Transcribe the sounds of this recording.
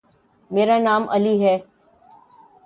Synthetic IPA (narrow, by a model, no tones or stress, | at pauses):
meːɾanaːmʔɐ̰liɦɛː